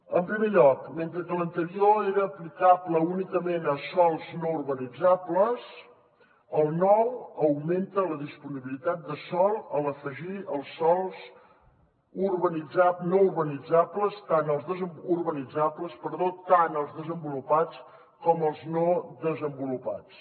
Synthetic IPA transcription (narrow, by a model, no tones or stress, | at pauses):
əmpɾimeʎɔkment̪ɾəkələnt̪əɾioeɾəːplikapləunikəmenəsɔlˠznouɾβənid͡zapləs | əlˠnɔwəwment̪ələðispuniβilit̪at̪̚d̪əsɔlˠələfəʒiəlˠsːɔlˠz | urβənid͡zanouɾβənid͡zapləst̪anəlˠzðəzəmurβənid͡zapləspəɾðot̪anəlˠzðəzəmbulupat͡s | kɔməlˠznoðəzəmbulupa̰t͡s